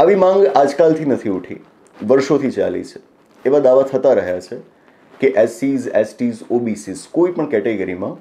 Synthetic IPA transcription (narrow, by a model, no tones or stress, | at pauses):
aʋimãŋɡad͡ʒkalt̪ʰinət̪ʰiuʈʰḭ | ʋəɾʃot̪ʰit͡ʃa̰lḭt͡ʃʰe̥ | eʋad̪aʋat̪ʰət̪aɾəɦjat͡ʃʰe | keʔɛsizɛsʈizobisiskoipəɳkɛʈeɡəɾimã